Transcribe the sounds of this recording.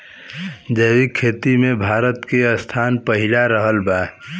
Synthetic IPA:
d͡ʒəjwikʰːeːt̪imẽbʱaːɾət̪keəst̪ʰaːnpəɦɪlaɾəɦəlba

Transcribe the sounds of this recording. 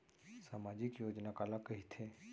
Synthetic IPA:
saːmaːd͡ʒɪkjoːd͡ʒnakaːlakɐɦit̪ʰe

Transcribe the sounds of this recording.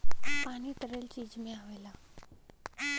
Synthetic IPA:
paɽ̃iːt̪əɾelt͡ɕiːd͡ʑmẽaʋejla

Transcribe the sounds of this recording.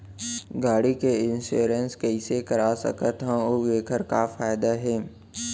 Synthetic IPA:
ɡaːɽikeɪnsṵːɾenskɐisekɐɾasɐ̰kət̪ɦãoʋeːkʰəɾkafaːɪd̪aɦɛː

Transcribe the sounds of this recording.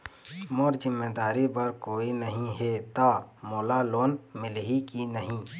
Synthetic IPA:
moːɾd͡ʒɪmːad̪aːɾibɐɾkoːinəɦĩɦet̪amoːlaloːnmɪlɦikinəɦĩ

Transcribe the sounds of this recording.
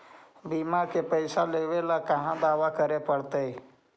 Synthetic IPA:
biːmakepəɪsaleːʋelakəɦãd̪aːʋakəɾepəɽt̪e

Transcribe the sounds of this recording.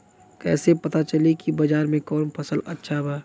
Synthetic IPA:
kɛ̰ːsepɐt̪at͡ʃɐlekibɐd͡ʒaːɾmẽkɔːnpʰəsəlɐtːʃʰabaː

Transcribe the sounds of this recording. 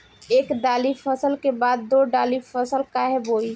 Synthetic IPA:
eːkɖaːlifʰəsəlkebaːd̪̚ːoːɖaːlifʰəsəlkaɦɛboːi

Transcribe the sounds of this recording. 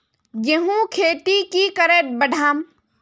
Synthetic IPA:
jeɦũkʰeːt̪ikikəɾeːʈ̪̚bəɖʱaːm

